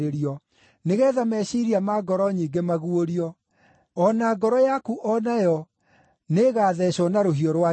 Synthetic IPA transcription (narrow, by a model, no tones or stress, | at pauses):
ɾeɾiɔ | neɣɛːðamɛɕiɾiamaɡɔɾɔɲiːɡemaɣuoɾiɔ | ɔnaɡɔɾɔjakuʔɔnajɔ | neɣaːðɛɕɔnaɾoɦiɔɾwa